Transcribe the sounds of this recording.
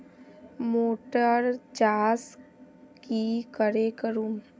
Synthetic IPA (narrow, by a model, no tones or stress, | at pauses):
moːʈəɾd͡ʒaːs | kikəɾekəɾuːm